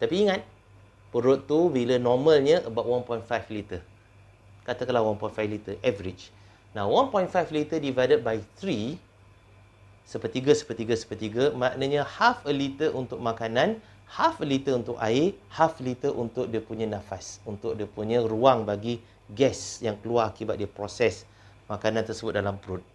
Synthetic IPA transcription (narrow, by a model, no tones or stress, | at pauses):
t̪apiːŋat̪̚ | pəɾʊt̪ːubilənɔməlɲə̃ʔəbap̚wanpɔj̃nfajflit̪ə | kat̪əkəlahwanpɔjnfajflit̪əʔɛvəɾit͡ʃ | nawanpɔjnfajflit̪ədivajdət̚bajt̪ɾi | səpət̪iɡəsə̥pət̪iɡəsə̥pərt̪iɡəmãʔnəɲəhafəlit̪əʔunt̪ʊk̚makanãn | hafəlit̪əunt̪ʊkaɪhaflit̪əʔunt̪ʊk̚diəpuɲə̃nãfasunt̪ʊk̚diəpuɲə̃ruaŋbaɡi | ɡɛsjaŋkəluaɾakibat̪̚diəpɾosɛs | makanãnt̪ərsəbʊt̪̚dalampɾut̪̚